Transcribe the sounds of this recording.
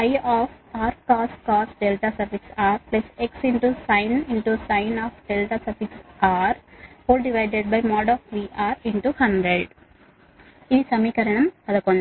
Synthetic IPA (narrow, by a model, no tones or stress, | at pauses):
jɔːfaːɾkɔːsʈkɔːsɖelʈasɐɾʋiksaːɾplɐseksɪ̃ɳʈusãɪnɪ̃ɳʈusãɪnɔːfɖelʈasɐɾfiksaːɾhoːlɖiʋaɪɖeɖ̚bɐɪmɔːɖɔːfʋiːʔaːɾɪ̃ɳʈuhɐ̃ɳɖɾeɖ | insɐmiːkɐɾɐɳɐ̃mɐd̪ɐkõɳɖ